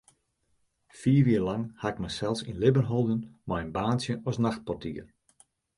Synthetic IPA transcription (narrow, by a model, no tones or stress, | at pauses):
fiːriːlɑŋhaɪk̚mɛjsɛlˠsinlɪbənɦolˠdənmɔjənbaːnsjəɔsnaxt̚pɔrtʰḭːər